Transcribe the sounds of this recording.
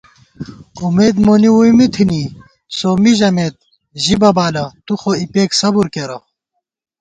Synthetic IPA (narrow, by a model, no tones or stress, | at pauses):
umeːd̪moːniwujmit̪ʰini | soːmiʑɐmeːt̪̚ | ʑibɐbaːlɐt̪uxoipeːksɐbuɾkeɾɐ